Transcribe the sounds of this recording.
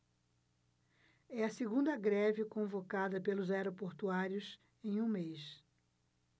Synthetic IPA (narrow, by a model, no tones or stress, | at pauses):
ɛɐseɡũnd̪ɐɡɾɛvɪkõvokad̪ɐpelʊzajɾopoɾt̪uaɾjʊs | ẽj̃ũmejs